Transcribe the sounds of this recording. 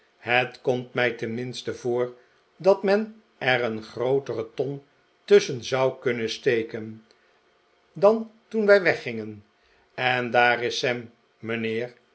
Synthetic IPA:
hətkɔmtmɛjtɛnmɪnstəvʊːɹ | dɑtmɛn | ʔɛrənχrowtərətɔn | tɵsənzɑwkɵnəstejkən | dɑntunʋɛjʋɛχɪŋən | ɛndaːɾɪsɛmː | ənɪːr

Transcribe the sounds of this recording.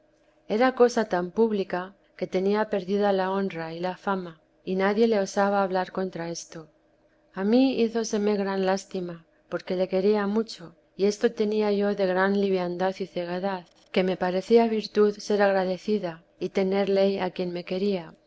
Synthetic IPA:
e̞ɾako̞sat̪ampuβlika | ke̞t̪e̞niape̞ɾðiðalao̞nrailafama | inaðje̞le̞o̞saβ̞aːβlaɾko̞nt̪ɾae̞st̪o̞ | amiiθo̞se̞me̞ɣɾanlast̪ima | po̞ɾke̞le̞ke̞ɾiamut͡ʃo̞ | ie̞st̪o̞t̪e̞niaʝo̞ðe̞ɣɾanliβjand̪aθiθe̞ɣe̞ðað | ke̞me̞paɾe̞θiaβiɾt̪uðse̞ɾaɣ̞ɾaðe̞θiða | it̪e̞ne̞ɾle̞jakje̞nme̞ke̞ɾia

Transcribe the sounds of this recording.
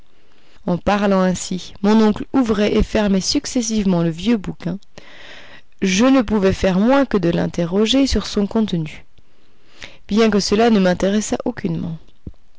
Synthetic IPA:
ɑ̃paʁlɑ̃ɛ̃simɔ̃nɔ̃kluvʁɛʔefɛʁmɛsyksɛs̬ivmɑ̃ləvjøbukʲɛ̃ | ʒənəpuvɛfɛʁmwɛ̃kəd̪əlɛ̰̃t̪eʁɔʒesyʁsɔ̃kɔ̃t̪ny | b̥jɛ̃k̬əsəlanəmɛ̃t̪eʁɛsa̰ʔokʲynmɑ̰̃

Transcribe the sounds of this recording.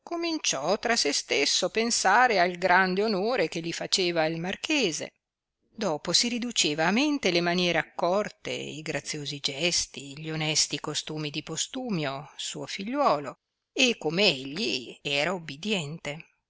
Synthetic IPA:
komint͡ʃɔt̪ɾasest̪esːopensaːɾealɡɾand̪eonoːɾek̟elːifat͡ʃeːvailmarkeːzḛ | d̪ɔːposiɾid̪ut͡ʃeːvaːment̪elemanjɛːɾeakːɔrt̪ḛiɡɾat̪sːjoːzid͡ʒɛst̪iʎionɛst̪ikost̪uːmid̪ipost̪uːmjosṵːofiʎːwɔːlo | ekːomeeʎːiɛːɾaubːid̪jɛnt̪e

